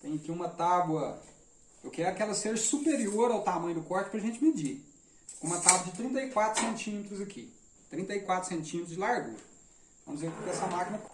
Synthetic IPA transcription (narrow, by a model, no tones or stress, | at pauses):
t̪ẽj̃ɐkiũmɐt̪abwɐ | ewkɛɾʊkɪɛlɐseʒɐsupeɾioɾawt̪amɐ̃jʊd̪ʊkɔɾt͡ʃɪ̥pɾɐʒẽnt͡ʃɪmɪd͡ʒi | kõũmɐt̪abwɐd͡ʒɪt̪ɾĩnt̪ɐikwat̪ɾʊ̥sẽnt͡ʃĩmet̪ɾʊzɐkʰi | t̪ɾĩnt̪ɐikwat̪ɾʊ̥sẽnt͡ʃĩmet̪ɾʊzd͡ʒɪlaɾɡṵɾ | vɐ̃mʊzekt̪ɛsɐmakinɐ